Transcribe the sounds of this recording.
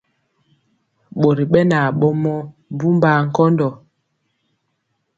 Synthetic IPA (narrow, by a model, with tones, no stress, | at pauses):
ɓo˨ɾi˨ɓɛ˦na˨ɓɔ˦mɔ˦ | bu˦mba˨˦ŋ̩˨kɔ˦ndɔ˨